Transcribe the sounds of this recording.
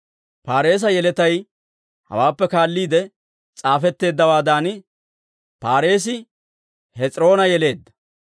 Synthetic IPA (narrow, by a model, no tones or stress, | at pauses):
paːɾe̞ːs̬ɐjɛlɛt̪ɐj | hɐ̰waːpːɛkaːlːiːd̪ɛ | t͡sʼaːfɛt̪ːe̞ːd̪ːɐwaːd̪aːn | paːɾe̞ːs̬ɪ | hɛt͡sʼɪɾo̞ːnɐjɛle̞ːd̪ːɐ̥